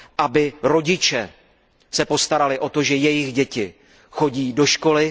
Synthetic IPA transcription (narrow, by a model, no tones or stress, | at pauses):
ʔabɪɾo̞ɟɪt͡ʃɛ | sɛpo̞st̪aɾalɪʔo̞t̪o̞ʒɛjɛjɪɣɟɛcɪ | xo̞ɟiːdo̞ʃko̞lɪ